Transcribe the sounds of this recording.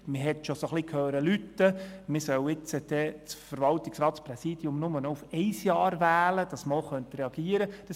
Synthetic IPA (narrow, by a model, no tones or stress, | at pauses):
məɦɛt̪ʃosoχlikʰhøːɾəlytːəmɪsœwɪt͡səd̥ɛt͡sfəɾvɑlt̪ɪksrɑːtspɾɛsiːd̥iʊmnʊmənɔufɛɪsjɑːɾvæːləd̥ɑsməoχœnt̪ɾɛɑɡ̥iːəɾəd̥ɑs